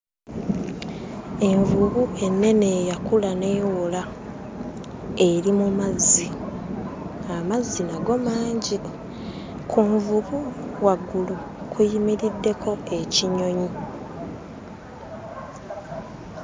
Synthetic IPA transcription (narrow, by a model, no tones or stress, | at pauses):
e̞ɱvuβue̞nːe̞ne̞jakulane̞ːwola | e̞ɾimumazːi | amazːinaɡo̞maːɲɟi | kʰuɱvuβuwaɡːulu | kʰujimiɾidːe̞kʰo̞e̞ciɲo̞ɲi